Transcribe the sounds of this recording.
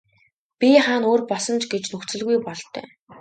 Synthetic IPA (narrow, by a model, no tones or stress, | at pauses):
pʲiχaːnoːrpɔsɞ̆nt͡ɕɡet͡ɕnɵxt͡sɘ̆ɮɣujpɔɮt̪œ̰ː